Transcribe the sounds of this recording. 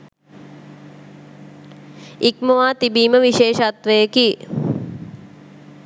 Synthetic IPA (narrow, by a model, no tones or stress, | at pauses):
ikməʋaːt̪ibiːməʋiʃeːʃat̪ʋəjəki